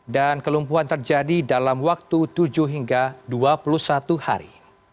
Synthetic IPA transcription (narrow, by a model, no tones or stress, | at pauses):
dankəlumpuɦant̪ərd͡ʒadidalamwak̚t̪ut̪ud͡ʒuɦiŋɡaduapulusat̪uha̰ɾḭ